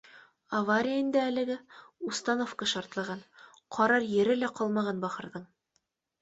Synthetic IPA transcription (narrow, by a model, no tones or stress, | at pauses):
avaɾʲijaind̪æːlɘ̆ɡɘust̪ɑnofkɑʃɑɾt̪lˠɑʁɑn | qʰɒɾɑɾjɘ̆ɾɘ̆læqɒlˠmɑʁɑnbɒχɤ̆ɾðɤɴ